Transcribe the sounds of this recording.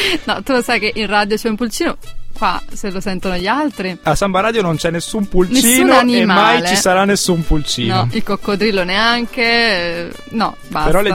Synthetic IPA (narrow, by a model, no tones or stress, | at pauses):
nɔt̪ːulosajk̟eʔinrad̪jot͡ʃɛumpult͡ʃiːnokwa̰selosɛnt̪onoʎialt̪ɾiasːambaɾaːd̪jonont͡ʃɛnːesːumpulnt͡ʃessiːnnoanimamajlet͡ʃisaɾanːesːumpult͡ʃiːnɔoilkokːod̪ɾilːoneaŋk̟e | nɔ̰ | baspeɾɔlea